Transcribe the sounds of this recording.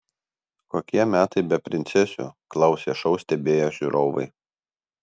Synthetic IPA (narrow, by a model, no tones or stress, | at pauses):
koːkʲiɛmʲæːt̪ɐɪbʲɛpʲɾʲɪnʲt̪sʲɛsʲʊ̰klˠɐʊsʲeːʃɔʊsʲt̪ʲɛbʲeːjoːʒʲuɾʔoːʋɐ̰ɪ